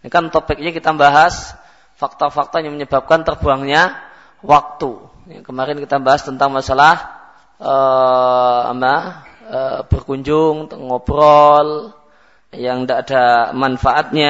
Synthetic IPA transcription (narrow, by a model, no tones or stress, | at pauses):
nakant̪opɪk̚ɲakit̪ambaɦas | fak̚t̪ɔfak̚t̪ɔɲaŋməɲəbap̚kant̪ərb̥uaŋɲa | wak̚t̪u | jakəmaɾɪnkit̪ambaɦast̪ənt̪aŋmasalah | ʔə | a̰pa | əb̥ərkuɲd͡ʒʊŋt̪əŋobrɔl | jaŋndaːdamanfaʔat̪̚ɲa